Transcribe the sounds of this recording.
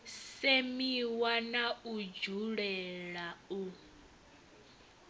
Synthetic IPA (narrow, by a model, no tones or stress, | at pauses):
semiwanaud͡ʒuɺɛɺau